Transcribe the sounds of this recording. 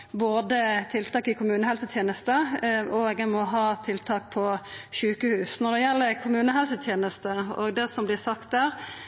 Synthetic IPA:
boːd̪ət̪ʰɪlt̪ʰɑːkɪkʰʊmʉːnəhɛlsət̪ʰjeːnəst̪əɔɡɛmɔɦɑːt̪ʰɪlt̪ʰɑːk̚pʰɔʃʉːkəhʉːsnɔʁd̪ɛjɛlːəkʰʊmʉːnəɦɛlsət̪ʰjeːnəst̪əɔ̰ɡd̪ɛsɔmblɪsɑkt̪̚d̪æːɾ

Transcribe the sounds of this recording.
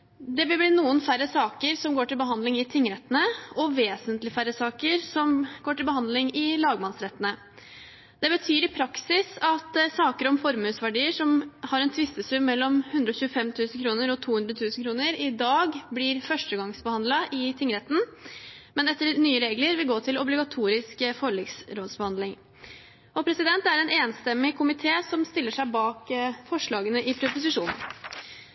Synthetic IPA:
d̪ɛʋɪlblɪːnuːənfæɾəsɑːkəɾsɔmɡoːʈɪlbəɦɑnd̪lɪŋɪt̪ʰɪŋːəɾɛt̪ːənəɔʋeːsənt̪lɪfæɾəsɑːkəɾsɔmɡoːʈɪlbəhɑnd̪lɪŋɪlɑːɡmɑnsɾɛt̪ːənə | d̪̥ɛbət̪ʰyːɾɪpʰɾɑksɪsɑt̪sɑːkəɾɔmfɔɾmʉːsʋæɖiːəʂɔmhɑɾɛnt̪ʰʋɪst̪əsʉmːɛlːɔmhʉnd̪ɾɔçʉːəfɛmt̪ʰʉːsn̩kʰɾuːnəɾɔt̪ʰuːʉnd̪ɾət̪ʰʉːsn̩kʰɾuːnəɾɪd̪ɑːɡblɪɾfœʂʈəɡɑŋsbəhɑnd̪lɑʔɪt̪ʰɪŋːəɾɛt̪n̩ | mɛnɛt̪ːəɾnyːəɾeːɡləɾʋɪlɡoːt̪ʰɪlɔblɪɡɑt̪ʰuːɾɪskfɔɭiɡsɾoːd̪sbəhɑnd̪lɪŋ | ɔpʰɾɛsɪd̪ɛnt̪æɾɛneːnst̪ɛmːɪkʰʊmɪt̪ʰeːsɔmst̪ɪlːəʂæɪbɑːkfɔʂɭɑːɡənəʔɪpʰɾʊpʊsɪʂuːnn̩

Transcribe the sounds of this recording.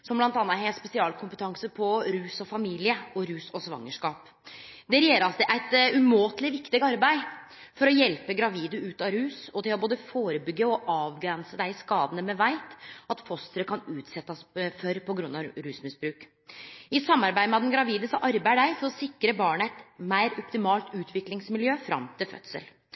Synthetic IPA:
sɔmblɑnt̪ɑːnːəhɦɛːspɛsɪɑːlkʰʊmpət̪ʰɑŋsəpʰɔɾʉːsɔfɑmiːlɪəɔɾʉːsɔsʋɑ̰ŋːəʂkɑːp | d̪ɛɾɛjeːɾəɾɑsd̪ɛʔæɪt̪ʉmoːt̪lɪʋɪkt̪ɪɡɑɾbæɪ | fɔɾɔjɛlpəɡɾɑʋiːd̪əʉːt̪ɑɾʉːsɔt̪ɪlɔboːd̪əfoːɾəbʏɡːəɔʔɑːʋɡɾɛnsəd̪æɪɪskɑːd̪ənəmɛʋæɪt̪ɑt̪fɔst̪əɾəkʰɑnʉːt̪sɛt̪ːəsfœɾpɔɡɾʉnːɑɾʉːsmɪsbɾʉːk | ɪsɑmːɑɾbæɪd̪əmɛɑd̪ɛnɡɾɑʋiːd̪əsɔʔɑɾbæɪɖæɪfɔɾɔsɪkːɾəbɑːɳəæɪt̪mæɪɾɔpt̪ɪmɑːlt̪ʉːt̪ʰʋɪklɪŋsmɪljøːfɾɑ̰mt̪ʰɪlfœ̰t̪sə̰l

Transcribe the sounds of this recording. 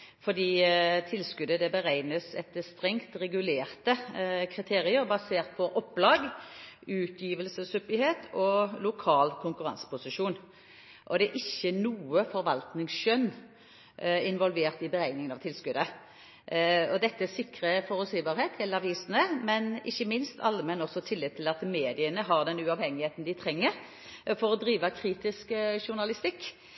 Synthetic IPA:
fɔd̪iːt̪ʰɪlskʉd̪əd̪ɛbəɾæɪnəsɛt̪ːəst̪ɾɛŋt̪ʁɛɡʉleːʁt̪əkʰɾɪt̪ʰeːɾɪəɾbɑseːʁt̪̚pʰɔʔɔpːlɑːɡ | ʉːt̪ʰjiːʋəlsəsʉpːɪheːt̪ʰɔlʊkʰɑːlkʰʊŋkʉʁɑ̰nsə̥pʊsɪʂuːn | ʔɔd̪ɛːɾʔɪçːənuːəfɔɾʋɑlt̪nɪŋsʃœn | ɪnʋɔlʋeːʁt̪ɪbəɾæɪnɪŋənɑʋt̪ɪlskʉd̪ə | ɔd̪ɛt̪ːəɛsɪkɾəfɔʁʉsiːbɑːʁheːt̪ʰɪlɑʋiːsənəmɛnɪçːəmɪnst̪ʰɑ̰lːəmɛnɔsɔt̪ʰɪlːɪd̪̚t̪ʰːɪlɑt̪meːd̪ɪənəɦɑʁd̪ɛnʉɑʋhɛŋːɪheːt̪nd̪ɪt̪ʰʁɛŋːəɾ | fɔɾɔd̪ɾiːʋəkʰɾiːt̪ɪskʂʊʁnɑlɪst̪ɪkː

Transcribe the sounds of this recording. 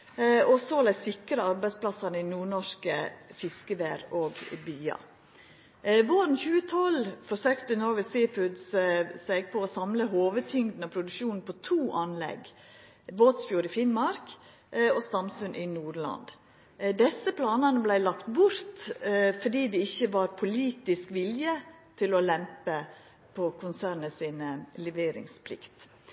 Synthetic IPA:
ɔsoːlæɪsɪkɾəɑɾbæɪspʰlɑsɑnəɪnuːɳɔʂkəfɪskəʋeːɾoːɡbyːɑ̰ | ʋoɾn̩çʉːət̪ʰɔlfɔʂøːkt̪ənɔɾʋɛsifʉd̪ssæɡ̚pʰɔːsɑmləɦoːʋət̪ʰʏŋd̪n̩ɑpʰɾʊd̪ʉkʃuːnn̩pʰɔt̪ʰuːʔɑnlɛ̰ɡ | boːt̪sfjuːɾɪfɪnmɑɾk | ɔst̪ɑmsʉnʔɪnuːɾɭɑ̰nd̪ | d̪ɛsːəpʰlɑːnɑnəblæɪlɑkt̪bʊɾt̪fɔɖiːd̪ɛɪçːəʋɑɾpʰʊliːt̪ɪskʋɪljə | t̪ʰɪlɔlɛmpə | pʰɔkʰʊnsæːɾnəsiːnlɛʋeːɾɪ̰ŋspʰlɪ̰kt̪

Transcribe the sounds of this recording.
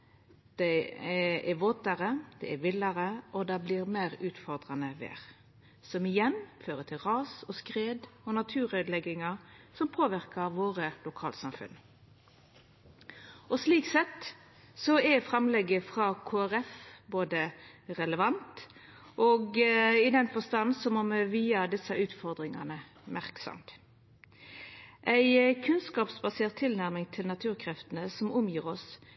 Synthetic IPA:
d̪̥ɛ | ɛʋoːt̪əʁəd̪̥ɛ̰ɛʋɪləɾəʔɔd̪ɑblɪʁmæɪʁʉːt̪fɔʁd̪ʁɑnəʋḛːʁ | sɔmɪjɛnføːʁət̪ʰɪlʁɑːsɔskʁeːd̪ɔnɑt̪ʰʉːɾœʏd̪lɛɡɪŋɑsɔmpʰoːʋɪʁkəʋoːʁəlʊkʰɑːlt̪sɑmfʉ̰n | ɔsliːksɛt̪ | sɔɛfʁɑmlɛɡːəfʁɑːkʰoːæʁɛfboːd̪əʁɛləʋɑnt̪ | ʔɔɡɪd̪ɛnfɔst̪ɑnsɔmɔmʋiːɑd̪ɪsəʔʉːt̪fɔʁd̪ʁɪŋɑ̰nə | mæʁksɔ̰mt̪ | ʔæɪkʰʉnskɑːpsbɑseːʁt̪ʰːɪlnæʁmɪŋt̪ʰɪlnɑt̪ʰʉːʁkʰʁɛft̪ənəsɔmʊmjiːʁɔs

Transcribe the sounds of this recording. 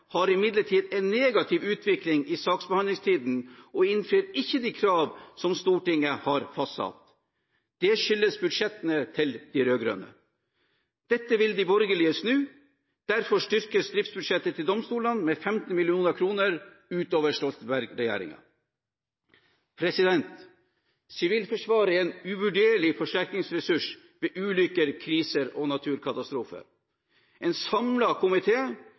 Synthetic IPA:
hɑɾɪmɪd̪ləʈʰiːd̪ɛnːeːɡɑt̪ʰɪʋʉːt̪ʰʋɪklɪŋɪsɑːksbəhɑnlɪŋst̪ʰiːd̪n̩ɔɪnfɾyːɾɪçːəd̪ikʰɾɑːʋsɔmst̪uːʈɪŋəhɑɾfɑsɑ̰t̪ | d̪̥ɛʂʏlːəsbʉd̪ʂɛt̪ənət̪ʰɪld̪̥iɾøːɡɾø̰ːnə̰ | d̪̥ɛt̪ːəʋɪld̪ɪbɔɾɡəlɪəsnʉː | d̪̥æɾfɔʂtʏɾkəsd̪ɾɪft̪sbʉd̪ʂɛt̪ːət̪ʰɪld̪ɔmst̪uːlənmeːfɛmt̪n̩mɪlɪuːnəkʰɾuːnəɾ | ʉːt̪oːʋəʂʈɔsbæɾɡɾɛjæ̰ːɾɪ̰ŋɑ̰ | pʰɾɛsɪd̪ɛnt̪ | sɪʋiːlfɔʂʋɑːɾəɛːnʉʋʉɖeːɭɪfɔʂʈæɾknɪŋsɾɛsʉʂ | ʋeːʔʉːlʏkəɾkʰɾiːsəɾoːnɑt̪ʰʉːɾkʰɑt̪ɑst̪ɾuːfə̰ɾ | ɛːnsɑmlɑkʰʊmɪt̪ʰeː

